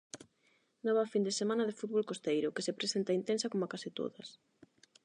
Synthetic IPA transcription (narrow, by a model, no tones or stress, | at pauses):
nɔβafind̪esemãnɐðefut̪̚βolkost̪ejɾʊkesepɾesent̪aint̪ensakomakasit̪o̰ðɐs